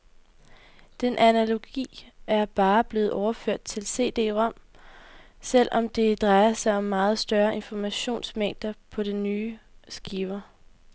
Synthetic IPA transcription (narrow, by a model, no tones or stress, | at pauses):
d̥enʔænælo̝ɡ̥ḭːæɐb̥ɑ̈ːb̥le̝ːð̩ˠʔɒʊɐføɐ̰d̥̚t͡sʰe̝lse̝̰ːd̥e̝̰ːʁɒ̽m̰ | sel̰ɒ̽md̥e̝d̥ʁɑ̈ɪɐsɑ̈ɪɒ̽mːɑ̈ːð̞̩ˠsd̥ɶɐʔe̝nfɒmæɕo̝̰ːnsmeŋ̰d̥ɐpʰɒ̽ɾ̥enːyːsɡ̥iʊɐ